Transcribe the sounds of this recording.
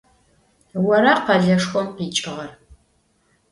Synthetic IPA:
wɐɾɐqɐɮɐʂxʷɔmqiːt͡ʃʼɪʁɐr

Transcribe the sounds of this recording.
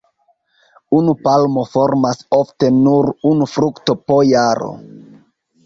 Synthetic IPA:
unupalmo̞fo̞ɾmaso̞fte̞nuɾunufɾukto̞pojaɾo̰

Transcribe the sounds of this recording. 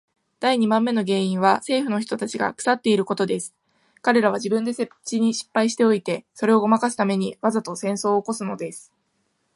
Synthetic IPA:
d̪̥aiɲ̟imãmːe̞no̞ɡe̞ːĩɰ̃βase̞ːɸɯ̟no̞çi̥t̪o̞t̪at͡ɕiɡa̰kɯ̟̥sat̪ːe̞iɾɯ̟ko̞t̪o̞d̪e̞sɨ̥ | kaɾe̞ɾaβ̞ad͡ʑibɯ̟̃nd̪e̞set͡ɕiɲ̟iɕi̥pːaiɕi̥t̪e̞o̞it̪e̞so̞ɾe̞o̞ɡo̞makasɨ̥t̪ame̞ɲ̟iβazat̪o̞sẽ̞ɰ̃so̞ːko̞sɨno̞d̪e̞sɨ̥

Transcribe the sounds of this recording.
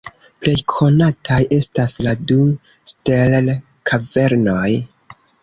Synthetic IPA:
ple̞jkʰo̞natʰajʔe̞stasladu | stell | kʰave̞ɾno̞j

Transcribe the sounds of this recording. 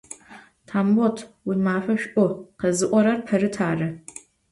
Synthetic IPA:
tʰaːmbotʰwʊmaːfʷɐʃʔʷʼɔqɐzɨʔʷɔɾɐrpʰɐɾɨtʰaːrɐ

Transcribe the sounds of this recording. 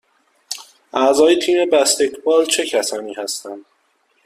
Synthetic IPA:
ʔæzɒːjet̪ʰiːme̞bæst̪e̞t̪ʰbɒːlt͡ʃʰe̞cʰæsɒːniːhæst̪ænd̪̥

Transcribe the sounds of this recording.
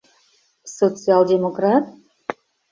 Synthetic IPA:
sot͡sɨɑlˠdʲemokɾat̪̚

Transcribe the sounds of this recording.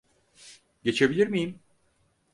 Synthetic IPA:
ɟe̞t͡ʃʰe̞bilʲiɾmijim

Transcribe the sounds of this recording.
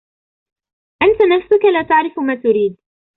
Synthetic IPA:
ʔant̪anafsʊkalaːt̪aʕɾɪfmaːt̪ʊɾiːd̪̚

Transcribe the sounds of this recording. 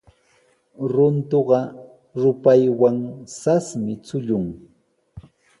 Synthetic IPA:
ɾʊnt̪oɢɑ | ɾʊpajwaŋsasmɪt͡sʊʎʊŋ

